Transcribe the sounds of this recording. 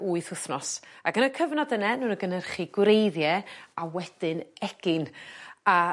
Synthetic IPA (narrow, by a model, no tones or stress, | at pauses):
uːɨθʊθnɔsaɡənəkʰəvnɔdənɛnuːnəɡənɛrχiɡ̥wɾejðjɛawɛd̥ɨnɛɡ̥ɪna